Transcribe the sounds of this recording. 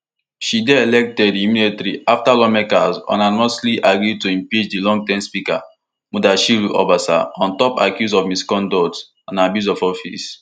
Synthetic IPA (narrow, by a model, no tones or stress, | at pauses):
ʃidɛelɛk̚tɛdimiletɾiʔaftalɔmɛkasɔ̰̃nanmɔsliʔaɡɹitoĩmpid͡ʒdilɔ̃ŋɡtɛ̃mspika | mudaʃiɹuʔɔ̰basa̰ɔ̃ntɔpa̰kjusɔvmiskɔ̃ndɔt | ãnabjuzɔfɔfḭs